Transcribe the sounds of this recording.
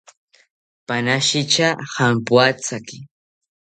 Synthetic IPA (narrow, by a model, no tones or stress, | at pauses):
panaʃɪt͡ʃahampwat͡sakɪ